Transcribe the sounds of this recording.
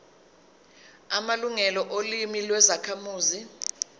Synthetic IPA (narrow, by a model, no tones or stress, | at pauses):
amaluŋɛlɔʔolimilwɛzakʰamuːzi